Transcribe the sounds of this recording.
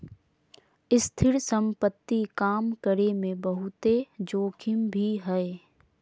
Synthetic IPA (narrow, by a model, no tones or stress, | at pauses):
ɪst̪ʰɪɾsə̃mpət̪ːikaːmkəɾemẽbəɦʊt̪ed͡ʒoːkʰɪmbʱiɦɛe